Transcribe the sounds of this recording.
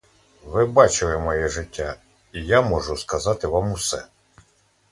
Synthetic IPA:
ʋɪbɑt͡ʃɪlˠɛmɔjɛʒɪtʲːa | ijamɔʒʊskɐzɑt̪ɪʋɑmʊsɛ

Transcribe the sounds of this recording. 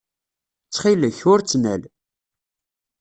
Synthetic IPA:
t͡sːχiləçʊɾt͡sːnæl

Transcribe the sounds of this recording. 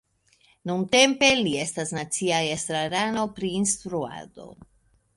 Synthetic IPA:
nunte̞mpe̞lie̞stasnat͡siaestɾaɾano̞pɾiːnstɾua̰do̞̰

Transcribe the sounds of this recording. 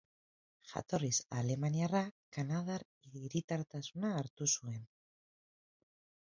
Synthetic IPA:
xa̰t̪o̞risale̞manjarakanaðaɾ | iðiɾit̪aɾt̪asunaːɾt̪usue̞n

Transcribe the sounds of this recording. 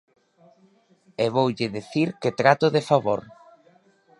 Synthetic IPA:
eβowʎɪðiθiɾket̪ɾat̪oðefaβoɾ

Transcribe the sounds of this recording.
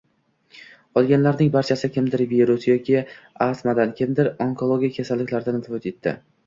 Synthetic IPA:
ɒlˠɡʲanlaɾnɪŋbaɾt͡ʃʰasɪkʲʰɪmd̪ɪɾviɾʊsjɒkʲɪ | ast̪mad̪ankʲʰɪmd̪ɪɾoŋkʰo̞lˠoɡʲijakʰʲasalːɪkʲlaɾd̪anɪt̪ʰɪbot̪et̪ʰːɪ̰

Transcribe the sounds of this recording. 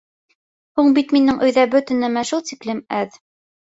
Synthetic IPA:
huɴbit̪minɘŋʔɵ̆jðæbɵ̆t̪ɘ̆nɘmæʃulˠt̪iklɘmæð

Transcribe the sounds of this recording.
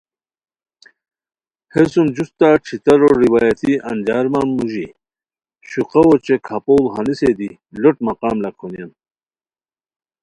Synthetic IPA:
hesumd͡ʑust̪aːʈ͡ʂʰit̪ɐɾoɾiwaːjɐt̪iʔɐ̰nd͡ʑaːɾmanːuʑi | ɕuqɐwot͡ɕekʰapolɦɐnised̪i | loʈmɐqaːmlɐkʰonijɐm

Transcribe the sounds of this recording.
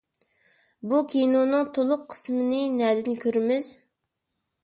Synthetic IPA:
bukʲʰinonɨŋt̪ʰolˠʊqʰːə̥smɨnɨnɛd̪ɪnkʲʰøɾɪmɪz̥

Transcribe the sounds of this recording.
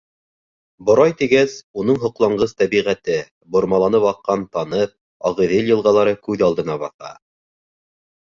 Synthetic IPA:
bŏɾɑjt̪iɡæsunɤɴɦŏqlˠɑɴɢɤst̪æβiʁæt̪ɘ | bŏɾmɑlˠɑnɤβɑqːɑnt̪ɑnɤp̚ | ɑʁɤ̆ðeljɤ̆lˠʁɑlˠɑɾɤkʉðɑlˠd̪ɤ̆nɑβɑθɑ̰

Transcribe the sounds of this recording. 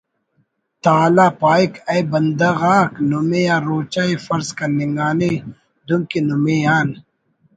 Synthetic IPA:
t̪aːlaːpaːikɐjbɐnd̪ɐɣaːknumejaːɾoːt͡ʃaifɐɾzkɐniŋɡaːne | d̪umkinumejaːn

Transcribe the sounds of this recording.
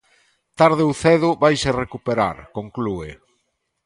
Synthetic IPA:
t̪aɾðeuθɛðʊβajserekupeɾa̰ɾkoŋkluḛ

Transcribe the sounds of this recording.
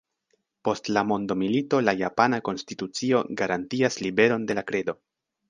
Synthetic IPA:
po̞stlamo̞ndo̞milito̞lajapanako̞nstitut͡sio̞ɡaɾantiaslibe̞ɾo̞nde̞lakɾe̞do̞

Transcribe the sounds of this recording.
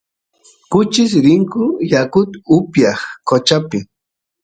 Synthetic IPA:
kʊt͡ʃɪs̬ɾɪŋkʊjakʊt̪ʊpjɑχkot͡ʃapɪ

